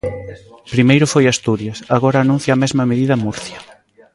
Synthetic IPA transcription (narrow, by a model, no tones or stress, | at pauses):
pɾimejɾʊfojast̪uɾjɐsaɣɔɾɐːnũn̟θjamɛzmɐmeðiðɐmuɾθjɐ